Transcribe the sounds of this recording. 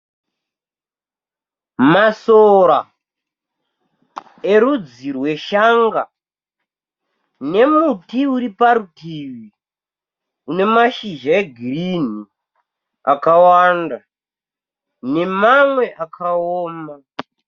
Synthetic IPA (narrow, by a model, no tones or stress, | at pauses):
masoɾa | e̞ɾud͡zirwe̞ʃaŋɡa | ne̞mutiuɾipaɾutiwi | une̞maʃiʒaeɡʱirin̤i | akawanda | ne̞mamwe̞ʔakʰaoːma